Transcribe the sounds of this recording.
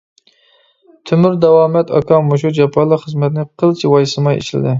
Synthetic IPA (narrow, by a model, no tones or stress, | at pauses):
t̪ʰymyɾd̪ɛwɑːmɛt̪ʰɑ̰kʰɑmoʃ̬ud͡ʒɑpʰːɑnlˠəqχəzmɛt̪nɪqʰəlˠt͡ʃʰiwɑjsɨmɑjḛt͡ʃʰilɪ̰d̪ɪ